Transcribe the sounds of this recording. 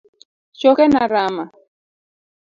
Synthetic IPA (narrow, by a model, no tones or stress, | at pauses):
t͡ʃokenaɾama